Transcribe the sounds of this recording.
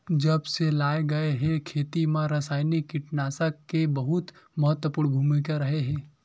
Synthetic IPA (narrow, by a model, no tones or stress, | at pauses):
d͡ʒəbselaːeɡɐeɦẽkʰeːt̪imãɾɐsaːjnikːɪʈnaːsəkkːebəɦʊt̪məɦət̪wəpuːɽ̃ɡʱuːmikaɾɐɦeɦɛ̃ː